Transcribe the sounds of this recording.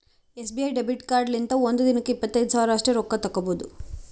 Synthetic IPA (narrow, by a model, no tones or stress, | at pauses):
esbiɐjɖebiʈkaːɾɖlint̪ɐond̪ud̪inikiipːɐt̪ːɐjd̪usaːɾaːʂʈɾeɾɔkːɐt̪ɐkːɐboːd̪u